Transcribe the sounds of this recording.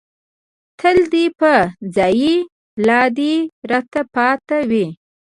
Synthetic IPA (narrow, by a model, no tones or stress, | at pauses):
t̪ʰəld̪ipəzɑji | lɑd̪iɾat̪apɑt̪awi